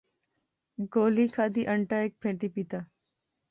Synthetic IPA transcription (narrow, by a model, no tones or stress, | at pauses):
ɡoːliːkʰaːd̪iːʔəɳʈaːeːk̚pʰẽːʈiːpiːt̪aː